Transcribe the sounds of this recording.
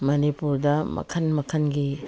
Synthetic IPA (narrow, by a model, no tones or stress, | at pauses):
mɐnipuɾdɐmɐ̰kʰɐnmɐkʰɐnɡi